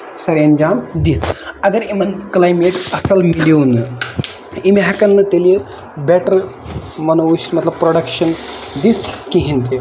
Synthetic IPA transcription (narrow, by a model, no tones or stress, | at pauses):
sɐɾɐnd͡ʒaːmd̪it̪ʰɐɡ̪ɐɾimɐnklajmeʈɐsɐlmiliwunɨ | imiɦɐkɐnːɨt̪elie | bɛʈɐɾ | mɐnɐusmɐt̪lɐb̚pɾoɖɐkʃɐnd̪it̪ʰkiɦĩnt̪i